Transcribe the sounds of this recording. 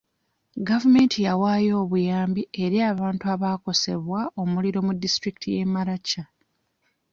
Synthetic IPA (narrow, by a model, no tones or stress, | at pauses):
ɡavume̞ːntʰijawaːjo̞ːβujaːmbie̞ɾiaːβaːntuaβaːko̞se̞̰βwaʔo̞muliɾo̞mudːistɾiki̥tʰije̞maɾacːa